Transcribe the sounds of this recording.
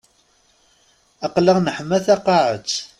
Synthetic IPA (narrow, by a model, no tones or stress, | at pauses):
ɑqlaʁnəħmːæθɑqːɑʕət͡sː